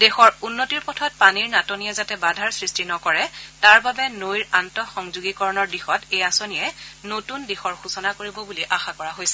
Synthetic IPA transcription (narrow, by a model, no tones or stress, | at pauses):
dexɔɹunːotiɹpɔtʰɔt̚paniɹnatonijɛzatɛbadʱaɹsɹistinɔkɔɹɛtaɹbabɛnojɹantɔxɔŋzuɡikɔɹɔnɔɹdixɔtejasonijɛnotundexɔɹxusɔnakoɹibɔbuliʔaxakɔɹaɦojsɛ